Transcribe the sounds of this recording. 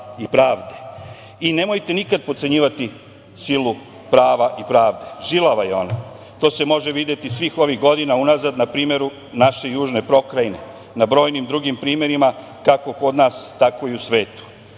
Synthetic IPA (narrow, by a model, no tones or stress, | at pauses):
ipɾaːʋd̪e | ine̞mo̞jt̪e̞nikad̪̚pot̪se̞ɲiːʋat̪i | silu | pɾaːʋaʔipɾaːʋd̪e̞ʒilaʋajeo̞̰no | t̪o̞ːse̞mo̞ʒe̞ʋid̪je̞t̪isʋiːxo̞ʋiɣɡo̞d̪inaunazad̪napɾiːme̞ɾu | naʃe̞juːʒne̞pɾo̞kɾajne̞̰ | nabɾo̞ːjnimd̪ɾuɡimpɾiːme̞ɾima | kako̞ko̞d̪naːst̪ako̞iusʋe̞ːt̪u̥